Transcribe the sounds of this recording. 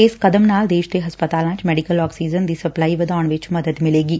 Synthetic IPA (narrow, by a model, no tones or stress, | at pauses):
ɪskɐd̪əmnaːld̪eːʃd̪eɦɐspət̪aːlãːt͡ʃmɛːɖɪkəlɔːksiːd͡ʒənd̪isɐplaːiʋɐd̪aːəɳ̃ʋɪt͡ʃmɐd̪əd̪mɪleːɡiː